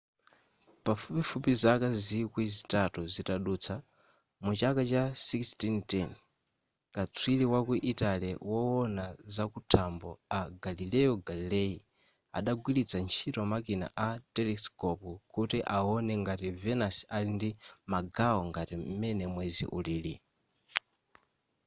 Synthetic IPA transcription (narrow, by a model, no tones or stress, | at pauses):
pafupifupizakazikwizitatuzitaɗuːt͡sʰa | mut͡ʃakat͡ʃasikstintɛn | kat͡sʰwiliwakuʔitalɛwɔwɔnazakutʰambɔ̰aɡalilɛjɔɡalilɛji | a̰ɗaɡwilit͡sʰant͡ʃʰitɔmakina̰ʔatɛlɛskɔpukutiʔaɔnɛŋɡativɛnasalindimaɡaɔŋɡatimɛnɛmwɛzḭʔṵlili